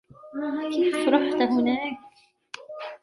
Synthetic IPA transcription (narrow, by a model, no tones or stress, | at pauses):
kiːfʃɾˤɑħt̪aɦʊnaːk̚